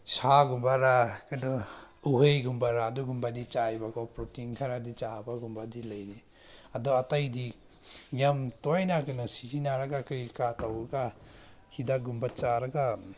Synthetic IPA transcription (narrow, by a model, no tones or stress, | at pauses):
saɡumbaɾakadɔuɦejɡumbaɾaːduɡumbadit͡ʃajbaɡɔpɾɔtiŋkʰaɾadit͡ʃabaɡumbadilajni | adɔatajdi | ɡamtɔjnakɯnasizinaɾaɡakɾikatawɾaɡa | kʰidaɡumbat͡ʃaɾaɡa